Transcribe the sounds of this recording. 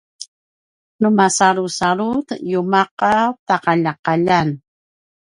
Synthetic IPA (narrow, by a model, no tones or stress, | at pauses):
numasaɾusaɾut̪jumaqat̪aqaʎaqaʎan